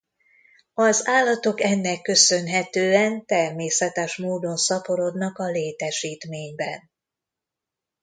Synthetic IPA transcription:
ɒzaːlːɒt̪o̞kɛnːɛkːø̞sø̞nɦɛt̪øːɛnt̪ɛrmeːsɛt̪ɛʃmoːd̪o̞nsɒpo̞ɾo̞d̪nɒkɒleːt̪ɛʃiːt̪meːɲbɛn

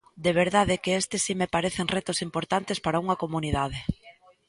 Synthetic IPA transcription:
d̪eβ̞eɾðaðekeest̪esːimepaɾeθeŋret̪osimpoɾt̪ant̪espaɾauŋɐkomuniðað̞e

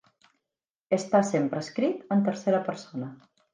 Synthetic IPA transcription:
əst̪asempɾəːskɾit̪ənt̪əɾseɾəpəɾsonə

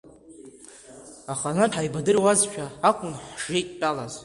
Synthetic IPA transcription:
aχanatʰajbadɨrwazʃʷᶣʰaakʷʼʊnħʒ̥ejtʼpʼalaz

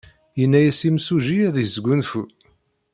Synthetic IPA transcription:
jənːæjæsimsuʒijæðjəzɡʷunfu

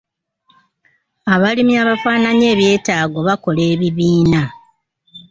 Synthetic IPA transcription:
aβalimiaβafaːnaɲe̞ːβje̞ːtaːɡo̞βako̞le̞ːβiβiːna

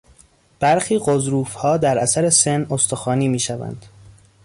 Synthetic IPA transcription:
b̥æɾxiːɢozɾuːfhɒːd̪æɾæsæɾe̞senost̪ʰoxɒːniːmiːʃævæ̰nd̪̥

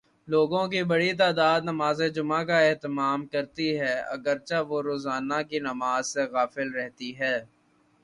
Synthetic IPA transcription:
loːɡõkibɐɽit̪̬aːd̪aːd̪nɐmaːzed͡ʒʊmãkaɛːt̪ɪmaːmkɐɾt̪iɦɛːɐ̰ɡəɾt͡ʃaʋoɾoːzaːnakinɐmaːzseɣaːfɪlɾɛɦt̪iɦɛː

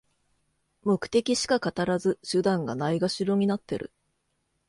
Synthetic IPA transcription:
mo̞kɯ̟̥t̪e̞kʲiɕi̥kakat̪aɾazɨɕɨd̪ãŋɡanaiɡaɕiɾo̞ɲ̟inat̪ːe̞̰ɾɯ̟̰

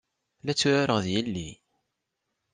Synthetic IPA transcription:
læt͡sːuɾaɾəʁðjəlːi

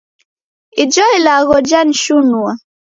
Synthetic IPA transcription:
id͡ʒɔilaɣɔd͡ʒan̩ʃunua

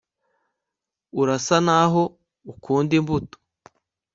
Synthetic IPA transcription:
uɾasanaɦo | ukʰuːndimbuto̥

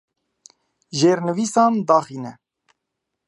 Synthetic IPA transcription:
ʒeːɾnɨviːsɑːnd̪ɑːxiːnɛ

